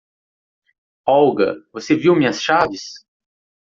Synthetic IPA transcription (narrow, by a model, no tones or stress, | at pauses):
ɔwɡɐ̰voseviwmĩɲɐsʃavɪs